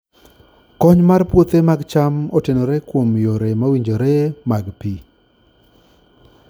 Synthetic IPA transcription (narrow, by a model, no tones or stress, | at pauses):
kɔɲmarpwot̪emaɡt͡ʃamɔtenoɾekwomjoɾemawiɲd͡ʒoɾemaɡpi